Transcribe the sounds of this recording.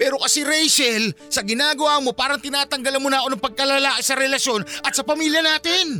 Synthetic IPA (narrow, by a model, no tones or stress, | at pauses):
pɛːɾokɐsɛɾɛjsɛlsɐɡɪnaːɡɐwaːmo̞paːɾɐŋt̪ɪnaːt̪ɐŋɡɐlɐnmonaːʔonɐŋpɐɡ̚kɐlɐlaːkɪsɐɾɛlɐʃjo̞nʔɐt̪̚sɐpɐmiːljɐnaːt̪ɪn